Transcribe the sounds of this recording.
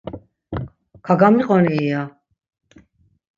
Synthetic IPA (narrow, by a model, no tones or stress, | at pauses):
kʰaɡamiqʼɔnɛia